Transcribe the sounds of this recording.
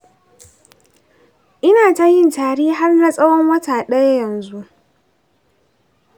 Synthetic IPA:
ʔɪ˦naː˨ta˦jɪ˦ntaː˨ɽiː˦ɦa˦rna˦sʼɐ˦wɔ˦ŋwɐ˦taː˨ɗɐ˦ja˦jɐ˨nzu˦ʔ

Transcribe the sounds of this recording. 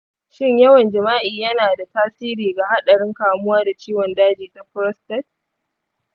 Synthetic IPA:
ʃɪ˦ɲjɐ˦wɐ˨nd͡ʒɐ˨maː˦ʔiː˨jɐ˦naː˨da˨taː˦siː˦ɾiː˨ɡa˨ha˦ɗɐ˨ɽɪ˦ŋkaː˨mʊ˦waː˦da˨t͡ʃiː˦wɔ˨ndaː˦d͡ʒiː˨ta˦ɸɾɔ˦stɛ˦t̚

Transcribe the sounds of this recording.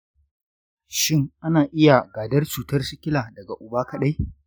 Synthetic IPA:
ʃɪ˦˨ŋʔa˦naː˨ʔɪ˦ja˨ɡaː˨dɐ˦rt͡ʃuː˨tɐ˦rsʊ˦kʲɪ˦laː˨dɐ˨ɡa˨ʔʊ˨baː˦kɐ˦ɗa˦j

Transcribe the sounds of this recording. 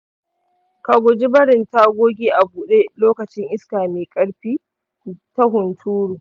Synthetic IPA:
ka˨ɡʷʊ˨d͡ʒi˦bɐ˦ɽɪ˨ntaː˦ɡʷoː˦ɡʲiː˦ʔa˨buː˨ɗeː˦loː˦kɐ˨t͡ʃɪ˦ŋʔɪ˦skaː˨meː˨kʼɐ˦ɽɸiː˦ | tɐ˦ɦʊ˨ntʰuː˦ɾuː˨

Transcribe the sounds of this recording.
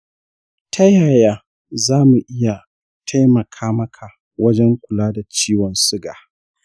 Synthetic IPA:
tʰa˦jaː˨jaː˦ | zaː˦mu˨ʔɪ˦ja˨ | tʰa˦jmɐ˨kʰaː˦mɐ˦kʰa˨ | wɐ˦d͡ʒɛ˦ŋkʷʊ˨laː˦da˨t͡ʃiː˦wɔ˨nsʊ˦ɡaː˨

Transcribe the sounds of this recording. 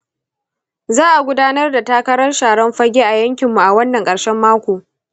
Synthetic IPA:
zaː˦ʔa˨ɡʷʊ˦daː˦nɐ˦rda˨taː˦kɐ˦ɾɐ˦rʃaː˨ɽɐ˦mɸɐ˦ɡʲeː˦ʔa˨jɐ˦ŋkʲɪ˨mːu˨ʔa˨wɐ˦nːɐ˨ŋkʼɐ˨ɽʃɛ˦mːaː˦kʷoː˨

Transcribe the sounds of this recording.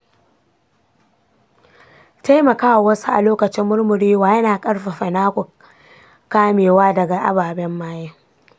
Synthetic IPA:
ta˦jmɐ˨kaː˦wa˨wɐ˦su˦ʔa̰˨loː˦kɐ˨t͡ʃɪ˦mːʊ˦rmʊ˨ɾiː˦waː˨jɐ˦naː˨kʼɐ˦ɽɸa˨ɸɐ˨naː˦kʷu˨ | kaː˦meː˨waː˦dɐ˨ɡa˨ʔa̰˦baː˨bɛ˦mːaː˦jeː˦

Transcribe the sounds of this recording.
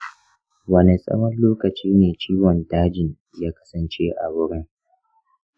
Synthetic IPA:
wɐ˨ne˨sʼɐ̰˦mɐ˦nloː˦kɐ˨t͡ʃiː˦neː˨t͡ʃiː˦wɔ˨ntaː˦d͡ʒɪ˨ɲ | jaː˦kɐ̥˦sɐ˨nt͡ʃe˦ʔa̰˨bʊ˦ɽɪ˦ŋ

